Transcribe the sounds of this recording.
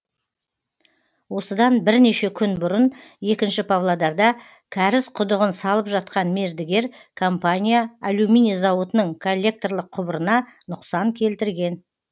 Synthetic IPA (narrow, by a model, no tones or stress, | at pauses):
wo̞səd̪ɑnbɪɾne̞ʃe̞kʲʰʏnbʊɾənje̞kʲɪnʃɪpʰavlˠad̪ɑɾd̪ɑ | kʲʰæɾɪsqʰʊd̪əʁənsɑlˠəpʒɑt̪qɑnme̞ɾd̪ɪɡʲe̞ɾkʰo̞mpanʲijaːlʲuminizɑwət̪ənəɴkʰo̞lʲːe̞k̚t̪o̞rlˠəq̚ʰːʊbəɾənɑnʊqsɑŋkʲʰe̞lt̪ɪɾɡʲe̞n